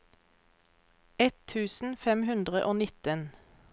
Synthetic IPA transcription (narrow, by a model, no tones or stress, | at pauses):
ɛt̪ʰːʉːsn̩fɛmɦʉnd̪ʁəʔoːnɪt̪ən